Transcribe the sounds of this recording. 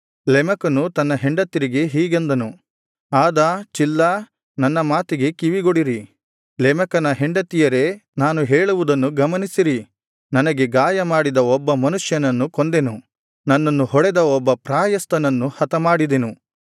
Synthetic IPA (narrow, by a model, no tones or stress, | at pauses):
lɛmɐkɐnut̪ɐnːɐɦeɳɖɐt̪ːiɾiɡe̞ɦiːɡend̪ɐnu | aːd̪ɐt͡ʃilːɐ | nɐnːɐmaːt̪iɡe̞kiʋiɡoɽiɾi | lɛmɐkɐnɐɦeɳɖɐt̪ijɐɾe̞naːnuɦeːɭuʋud̪ɐnːuɡɐmɐnisiɾi | nɐnɐɡe̞ɡaːjɐmaːɽid̪ɐɔbːɐmɐnuʂjɐnɐnːukond̪e̞nu | nɐnːɐnːuhɔɽɛd̪ɐɔbːɐpɾaːjɐst̪ɐnɐnːuhɐt̪ɐmaːɽid̪e̞nu